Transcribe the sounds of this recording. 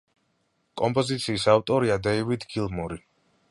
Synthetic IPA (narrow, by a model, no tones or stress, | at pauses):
kʼɔmpʼɔzit̪sʰiːsavt̪ʼɔɾiad̪ɛivid̪ɡilˠmɔɾi